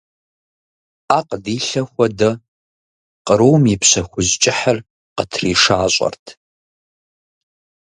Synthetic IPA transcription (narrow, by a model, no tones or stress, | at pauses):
aqdiːɬɐxʷɐdɨ | qʼəɾowmipʰɕɐxʷʊzt͡ʃʼɪħar | qətʰriːʂaːɕʷʼɐ̰rtʰ